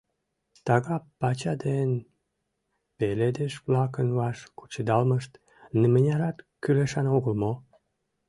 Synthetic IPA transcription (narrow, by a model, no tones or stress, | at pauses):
t̪ɑɣɑpɑt͡ɕɑd̪en | peled̪eʃβlɑkənvɑʃku̥t͡ɕəd̪ɑlməʃt̪ | nəmənʲɑɾɑt̪kyleʃɑnoɣəlmo